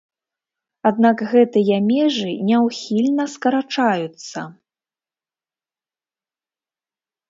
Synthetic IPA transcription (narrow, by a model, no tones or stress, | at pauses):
ad̪nakɣɛt̪ɨjɐmʲɛʐɨnʲɛwxʲilʲnɐskɐɾat͡ʂajut̪sɐ